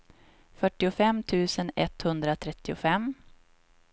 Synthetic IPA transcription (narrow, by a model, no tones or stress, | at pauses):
fœʈːɪʊfɛmt̪ʰʉ̟ːsənɛt̪hɵnd̪ɾat̪ʰɾɛt̪ːɪʊfɛmː